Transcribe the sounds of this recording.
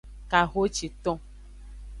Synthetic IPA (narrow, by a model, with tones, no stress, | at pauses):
ka˨ɣo˦t͡ʃi˨t̪ɔ̃˦